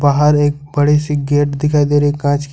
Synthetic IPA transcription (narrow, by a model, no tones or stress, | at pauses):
baːɦəɾeːk̚bɐɽesiɡeːʈd̪ɪkʰaːid̪eːɾeːkːãːt͡ʃk